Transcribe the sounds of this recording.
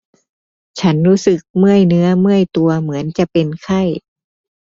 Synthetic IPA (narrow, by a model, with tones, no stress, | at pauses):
t͡ɕʰa˦˥nɾuː˦˥sɯ˨˩k̚mɯ˥˩əjnɯ˧˦˥ɐmɯ˥˩əjt̪u˨˧ɐmɯ˩˦ənt͡ɕa˨˩ʔpe˨nkʰa˥˩j